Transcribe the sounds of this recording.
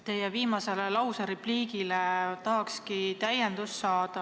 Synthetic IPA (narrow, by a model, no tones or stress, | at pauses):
t̪e̞jeviːmɑse̞lelɑwseɾepliːɡilet̪ɑɦɑkskit̪æjend̪̥usːɑːd̪̥ɑ